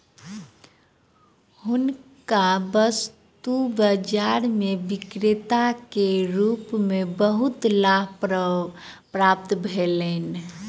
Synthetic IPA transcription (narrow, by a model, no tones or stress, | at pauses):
ɦʊnkabəs | t̪ubəd͡ʒaɾmebɪkɾɪt̪akeɾuːpmebəɦut̪laɦ | pɾap̚t̪bʱelen